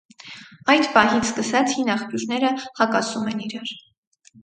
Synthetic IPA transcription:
ɑjd̪pɑɦit͡sʰskəsɑt͡sʰhinɑχpjuɾnɛɾəhɑkɑsumɛniɾɑɾ

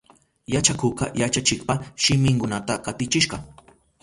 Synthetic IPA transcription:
jat͡ʃakʊqɑjat͡ʃat͡ʃɪkpaʃɪmɪŋkʊnat̪akat̪ɪt͡ʃɪʃɢɑ

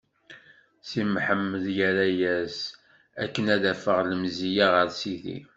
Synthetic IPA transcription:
simħəmːəðjæɾæjæs | æ̰kːənæðæfəʁləmzijaʁəɾsiθḭ

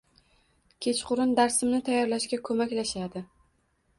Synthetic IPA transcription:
kʲʰe̞t͡ʃqʊɾɪnd̪aɾsɪmnɪt̪ʰajːɒɾlaʃkʲakʰɵmakʲlaʃad̪ɪ

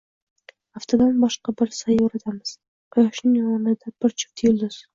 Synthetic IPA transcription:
aft̪ʰad̪anbɒʃqɑbɪɾsajoɾat̪ʰamɪz̥ | qʰɑjɒʃnɪŋjɒmɒnɪd̪ab̥ɪɾt͡ʃʰɪ̥p̚t̪ʰjʊld̪ʊz

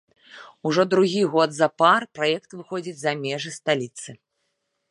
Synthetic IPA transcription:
uʐɔd̪ɾuɣʲiɣɔd̪zɐparpɾajɛkt̪vɨxɔd͡zʲit͡sʲzɐmʲɛʐɨst̪alʲit̪sɨ

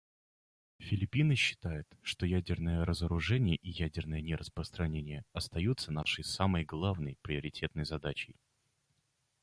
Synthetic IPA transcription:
fʲɪlʲɪpʲinɨɕːɪ̥t̪ajʊt̪ʂt̪o̞jædʲɪrnəjəɾəzəɾʊʐɛnʲɪjəʔɪjædʲɪrnəjənʲɪɾəspɾəst̪ɾɐnʲenʲɪjəɐst̪ɐjut̪sːənaʂɨjsaməjɡlˠavnəjpɾʲɪəɾʲɪtʲe̞t̪nəjzɐd̪at͡ɕɪj

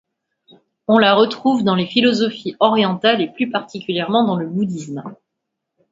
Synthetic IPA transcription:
ɔ̃laʁət̪χuvd̪ɑ̃lefilɔzɔfiɔʁjɑ̃t̪aleplypaʁt̪ʰikʲyljɛʁmɑ̃d̪ɑ̃ləbud̪ism

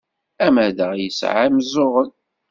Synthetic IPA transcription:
æmæðəʁjəsʕamzʊʁən

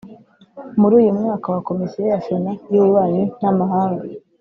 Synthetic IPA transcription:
muɾuːjumŋaːkawako̞misijejafonajuβuβaːɲunamaɦaːŋɡa

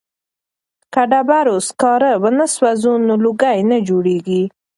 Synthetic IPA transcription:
kaɖabaɾoskɑɾəbənəswazunoluɡajnəd͡ʒoɽeɡi

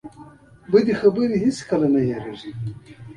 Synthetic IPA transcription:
bəd̪ixabəɾihit͡skalanajaɾeʐi

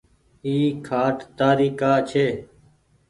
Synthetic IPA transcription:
iːkʰaːʈt̪aːɾiːkaːt͡ʃʰeː

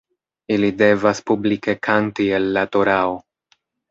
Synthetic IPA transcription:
ilide̞vaspublike̞kʰantielːato̞ɾao

